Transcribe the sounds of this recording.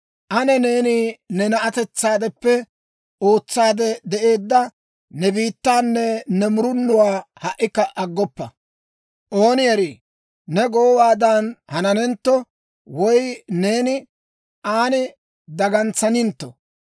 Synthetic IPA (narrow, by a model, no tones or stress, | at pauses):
ʔɐnɛne̞ːninɛnɐʔɐt̪ɛt͡sːaːd̪ɛpːɛ | o̞ːt͡sːaːd̪ɛd̪ɛʔe̞ːd̪ːɐ | nɛbiːt̪ːaːnːɛnɛmʊɾʊnːʊwaːhɐʔːɪkːɐʔɐɡːɔpːɐ̰ | ʔoːnɪjɐɾiː | nɛɡoːwaːd̪ɐnhɐnɐnɛnt̪ːɔ | wɔjne̞ːnɪ | ʔaːnɪ | d̪ɐɡɐnt͡sːɐnɪnt̪ːɔ